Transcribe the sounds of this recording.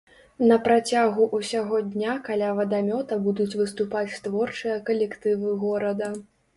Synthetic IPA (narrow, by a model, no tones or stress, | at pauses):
nɐpɾat͡sʲaɣuʔusʲaɣɔd̪ʲnʲakalʲavɐd̪amʲɔt̪ɐbud̪ut͡sʲvɨst̪upat͡sʲst̪vɔrt͡ʂɨjɐkɐlʲɛkt̪ɨvɨɣɔɾɐd̪ɐ